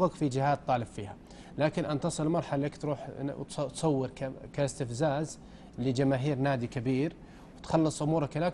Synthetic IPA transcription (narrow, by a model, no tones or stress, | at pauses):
ɣakfid͡ʒɪhaːd̪̚t̪ˤːɑːlɪbfiːha̰ | laːkɪnʔant̪ɑsˤɨlmɑɾˤħalːakt̪ɾuːħt̪t̪sˤɑwːɪɾkkaɪst̪ɪfzaːz | lid͡ʒamaːɦiːɾnaːd̪ikabiːɾ | wt̪xɑlːɨsˤʔʊmuːɾˤɑkʔɪlaːk